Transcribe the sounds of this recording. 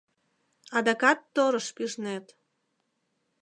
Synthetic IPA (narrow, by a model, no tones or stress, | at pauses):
ɑd̪ɑkɑt̪ːoɾəʃpiʒnet̪